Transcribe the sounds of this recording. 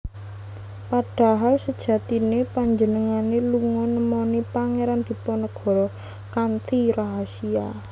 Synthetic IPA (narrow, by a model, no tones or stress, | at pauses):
paɖ̥a̤ɦalsəd̥ʒ̥ä̤t̪inepaɲd͡ʒənəŋaneluŋɔnəmɔnipaŋeɾand̪̥i̤pɔnɔɡ̥ɔ̤ɾɔ | kant̪ʰiɾasia̰